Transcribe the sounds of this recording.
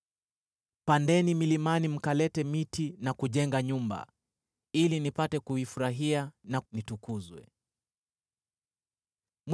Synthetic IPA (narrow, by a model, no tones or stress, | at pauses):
pandɛnimilimanim̩kalɛtɛmitinakuʄɛŋɡaɲumba̰ | ilinipatɛkuifuɾaɦiananitukuzwɛ̰ | m